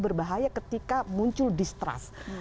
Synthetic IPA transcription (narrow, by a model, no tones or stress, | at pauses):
bərbaɦajakət̪ikamuɲt͡ʃʊldist̪ɾa̰s